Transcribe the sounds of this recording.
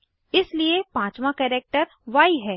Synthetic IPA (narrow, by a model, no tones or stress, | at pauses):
ɪsliepãːt͡ʃmãkɛːɾeːk̚ʈəɾ | ʋaːiɦɛː